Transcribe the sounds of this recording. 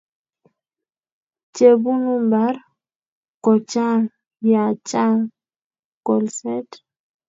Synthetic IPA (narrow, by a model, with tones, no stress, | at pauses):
t͡ʃe˨bu˦nu˦mba˨˦ɾ | kɔ˨t͡ʃa˦ | ja˨t͡ʃa˦ | kɔ˨lsɛ˦t